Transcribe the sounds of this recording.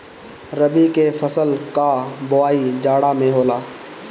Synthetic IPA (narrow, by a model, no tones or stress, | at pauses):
ɾəbikefɐsəlkabʊaːid͡ʒaːɽamẽɦoːlaː